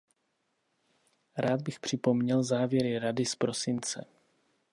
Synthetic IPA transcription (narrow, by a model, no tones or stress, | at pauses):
ɾaːd̪̚bɪxpr̝̥ɪpo̞mɲɛlzaːvjɛɾɪɾadɪspɾo̞sɪnt͡sɛ̰